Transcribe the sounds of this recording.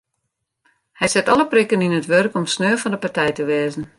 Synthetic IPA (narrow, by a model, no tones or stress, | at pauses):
hɛjsɪtɔlˠəprikəninətʋørkɔmsnøːfɔndəpartɛjtəʋɛːzən̩